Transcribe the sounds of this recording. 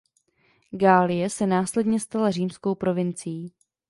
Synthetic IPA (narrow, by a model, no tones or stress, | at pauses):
ɡaːlɪjɛsɛnaːslɛdɲɛst̪alariːmsko̞wpɾo̞vɪnt͡sɪjiː